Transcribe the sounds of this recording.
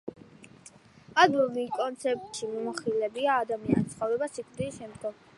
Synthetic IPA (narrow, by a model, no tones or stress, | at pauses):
ad̪ɾɔlikʼɔnt̪sʰɛp̚t̪ʼʃimɔmɔχilɛbiaːd̪amianit̪sʰχɔvɾɛbasikʰʼt̪ʼɾisʃɛmd̪ɡɔm